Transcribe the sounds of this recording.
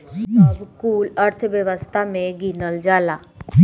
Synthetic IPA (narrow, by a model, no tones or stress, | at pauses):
bkuːləɾt̪ʰʋjəʋəst̪ʰamẽɡɪnəld͡ʒaːlaː